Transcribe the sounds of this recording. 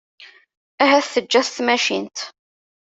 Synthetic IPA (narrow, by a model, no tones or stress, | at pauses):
æɦæθθəd͡ʒːæθt̪mæʃint̪